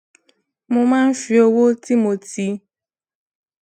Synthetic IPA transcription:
mõ˧mãː˦n̩˦fi˧˦o˧wo˦ti˦mo˨ti˧

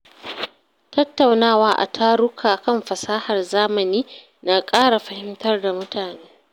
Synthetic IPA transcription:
tɐ˦tːa˨wnaː˦˨waː˦ʔa̰˨tʰaː˦ɽʊ˦kʰaː˨kɐ˦mɸɐ˨saː˦hɐ˨rzaː˦mɐ˨niː˦ | naː˨kʼaː˦ɽa˨ɸɐ˦hɪ˦mtɐ˦rda˨mʊ˦taː˨neː˦

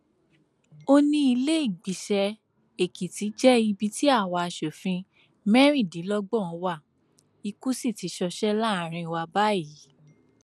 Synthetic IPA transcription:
o˦nĩ˧i˧le˦i˦˨ɡ͡bi˨ʃɛ˧ | e˨ki˨ti˨˦d͡ʒɛ˦i˧bi˧ti˦a˦˨wa˧a˧˨ʃo˨fĩ˧ | mɛ˦ɾ̃ĩ˦˨dĩ˨˦lɔ˦ɡ͡bɔ̃˦˨ɔ̃˨˧˦wa˦˨ | i˧ku˦si˦˨ti˨˧˦ʃɔ˧ʃɛ˦la˦˨ɾ̃ĩ˧wa˧ba˦i˨˦

